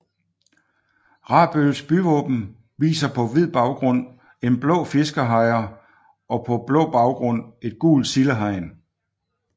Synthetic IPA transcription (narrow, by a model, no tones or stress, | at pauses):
ʁɑ̈ːb̥ølsb̥yʋɔ̰ːb̥m̩ | ʋḭːsɐpʰɒ̽ʋið̰ˠb̥ɑ̈ʊɡ̥ʁɔ̽n̰ | e̝nb̥lɔ̰̽ːfe̝sɡ̥ɐɦɑ̈ɪɐ | ʔɒ̽pʰɒ̽b̥lɔ̰̽ːb̥ɑ̈ʊɡ̥ʁɔ̽n̰e̝d̥̚ɡ̥ṵːld̥siləɦɑ̈ɪ̰n